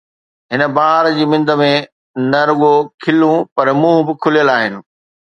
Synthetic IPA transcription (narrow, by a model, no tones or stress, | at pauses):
ɦɪnə̆baːɦɾd͡ʑiːmɪ̃nd̪ə̆mẽ | nɐɾʊɠokʰɪlũpɐɾmũːɦbɪkʰʊlijəlaːɦɪnɪ̆